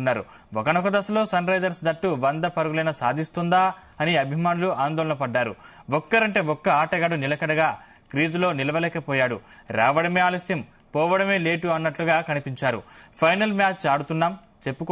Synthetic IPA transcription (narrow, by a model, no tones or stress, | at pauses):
nːaːɾṵ | ɔkɐnɔkːɐd̪ɐsɐlo̞ːsɐnɾɐjd͡ʒɐɾsd̪ɐʈːuʋɐnd̪ɐpɐɾuɡulɐjnɐsaːd̪ʱist̪und̪aː | ɐniɐbʱimaːnuluaːnd̪ɔːlɐnɐpɐɖːaːɾṵ | ʋɔkːɐɾɐɳʈeːɔkːɐaːʈɐɡaɽunilɐkɐɽɐɡaː | kɾiːd͡ʒlo̞ːnilɐʋɐlɛːkɐpɔːjaːɽṵ | ɾa̰ːʋɐɽɐmeaːlɐsjɐm | pɔːʋɐɽɐme̞ːleːʈuɐnːɐʈluɡaːkɐnipiɲt͡ʃaːɾṵpʰɐjnɐlmjaːt͡ʃt͡ʃaːɽut̪unːaːm | t͡ʃe̞pːuk